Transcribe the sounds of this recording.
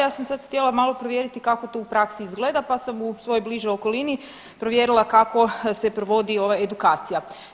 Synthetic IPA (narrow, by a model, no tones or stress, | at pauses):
jaːsamsad̪xt̪elˠamalˠo̞pɾoʋjeɾit̪ikako̞t̪oupɾaksiizɡled̪apasamusʋo̞jojbliʒojo̞kolini | pɾo̞ʋje̞ɾilˠakako̞se̞pɾoʋo̞d̪io̞ʋaed̪ukaːt̪sija